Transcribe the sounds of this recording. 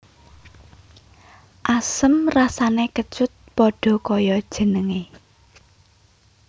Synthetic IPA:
ʔasəmrasanekət͡ʃʊt̪̚pɔɖ̥ɔ̤kɔjɔd̥ʒ̥ə̤nəŋe

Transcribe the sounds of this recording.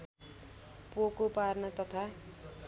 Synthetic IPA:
pokoparnʌt̪ʌt̪ʰa

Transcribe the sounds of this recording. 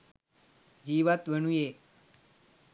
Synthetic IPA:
d͡ʒiːʋat̪ʋənuje

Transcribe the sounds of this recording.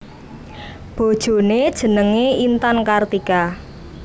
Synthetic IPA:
b̥o̤d̥ʒ̥o̤ned̥ʒ̥ə̤nəŋeint̪ankart̪ika

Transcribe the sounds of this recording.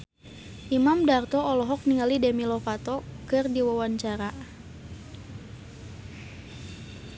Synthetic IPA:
ʔimamdart̪ɔɔlɔɦɔk̚niŋalidɛmilɔfat̪ɔkɨrdiwawaɲt͡ʃaɾa

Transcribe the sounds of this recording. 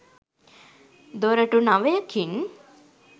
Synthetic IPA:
d̪oɾəʈunaʋəjəkʰin

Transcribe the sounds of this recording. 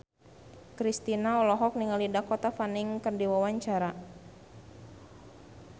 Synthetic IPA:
kɾist̪inaɔlɔɦɔk̚niŋalidakɔt̪afaniŋkɨrdiwawaɲt͡ʃaɾa

